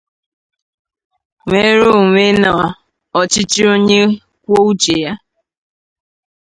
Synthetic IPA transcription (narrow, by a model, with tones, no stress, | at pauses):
ŋʷe˦ɾo˦˨ŋʷe˦nɔ˨a˨ | ɔ˨t͡ʃɪ˦t͡ʃi˦o˦ɲe˦ | kʷo˦u˦t͡ʃe˨ja˦